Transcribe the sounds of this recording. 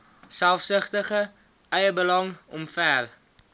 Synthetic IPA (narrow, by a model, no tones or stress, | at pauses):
sælˠfsəχtəχə | ɛjəbəlɐŋɔmfæl